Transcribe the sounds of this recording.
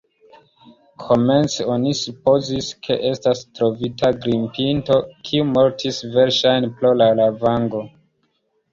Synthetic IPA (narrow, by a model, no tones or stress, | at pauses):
kʰo̞me̞nt͡seonisupo̞ziskʰe̞̰ʔe̞stastɾo̞vitʰaɡɾimpinto̞kʰiumo̞ɾtʰisve̞ɾʃajnplolalavaŋɡo̞